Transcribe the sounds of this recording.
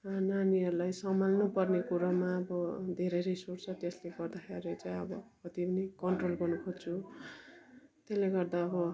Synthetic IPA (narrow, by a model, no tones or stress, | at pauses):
naniʌɾulajsʌmalnupʌrnekuɾʌmaʌbʌd̪ʱeɾʌjɾʌjsort͡sʰʌt̪esleɡʌrd̪akʰeɾet͡saj̃ʌbʌkʌt̪ipʌnikʌɳʈrolɡʌnukʰot͡sʰu | t̪esleɡʌrd̪aʌbʌ